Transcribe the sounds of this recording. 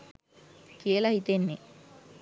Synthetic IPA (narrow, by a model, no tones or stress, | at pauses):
kijəlahit̪enːe